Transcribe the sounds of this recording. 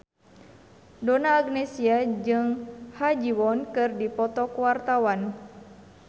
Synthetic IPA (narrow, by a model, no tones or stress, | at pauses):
donaːɡnɛsiad͡ʒɨŋhad͡ʒiwɔnkɨrdipɔt̪ɔkuwart̪awan